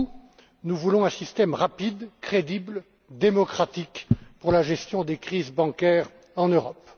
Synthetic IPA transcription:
nuvulɔ̃ɛ̃sist̪ɛmʁapid̪kχed̪ibl | d̪emɔkχat̪ikpuʁlaʒɛst̪jɔ̃d̪ekχizbɑ̃kʲɛʁ | ɑ̃nøʁɔp

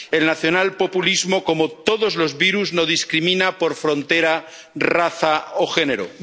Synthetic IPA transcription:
elnaθjo̞nalpo̞pulizmo̞ko̞mot̪o̞ðozlo̞zβiɾuznoðiskɾimĩnapo̞ɾfɾo̞nt̪eɾa | raθaoxe̞neɾo̰

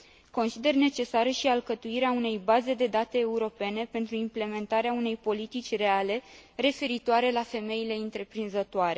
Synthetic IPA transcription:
ko̞nsid̪e̞rne̞t͡ʃe̞saɾəʃialkət̪uiɾeaune̞jbaze̞d̪e̞d̪at̪e̞ːuɾo̞pe̞ne̞pe̞nt̪ɾuimple̞me̞nt̪aɾeaune̞jpo̞lit̪it͡ʃʲre̞ale̞re̞fe̞ɾit̪oaɾe̞lafe̞me̞ile̞ɨnt̪ɾe̞pɾinzət̪oaɾe̞

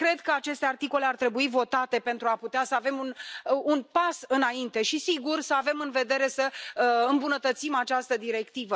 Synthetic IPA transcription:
kɾe̞d̪kəat͡ʃe̞st̪e̞art̪iko̞le̞art̪ɾe̞buivo̞t̪at̪e̞pe̞nt̪ɾuaput̪easəave̞mununpasɨnaint̪e̞ʃisiɡursəave̞mɨnve̞d̪e̞ɾe̞səɨmbunət̪ət̪simat͡ʃast̪əd̪iɾe̞kt̪ivə

